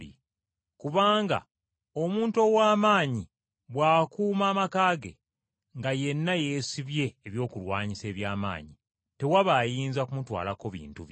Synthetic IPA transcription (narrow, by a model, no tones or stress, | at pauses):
ḭ | kuβaːŋɡa̰ | o̞muːnto̞waːmaːɲi | βwaːkuːmaːmakaːɡe̞̰ | ŋɡaje̞nːajeːsiβje̞ːβjo̞ːkulwaːɲise̞ːβjaːma̰ːɲi | te̞waβaːjiːnzakumutwa̰ːlako̞βḭːntuβ